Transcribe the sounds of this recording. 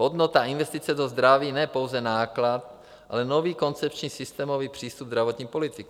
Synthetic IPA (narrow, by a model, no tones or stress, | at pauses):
od̪not̪aɪnvɛst̪it͡sɛdozd̪ɾaviːnɛpo̞wzɛnaːklat̪̚ | ʔa̰lɛnoviːko̞nt͡sɛpt͡ʃɲiːsɪst̪ɛːmoviːpr̝̥iːst̪ubzdɾavot̪ɲiːpo̞lɪt̪ɪk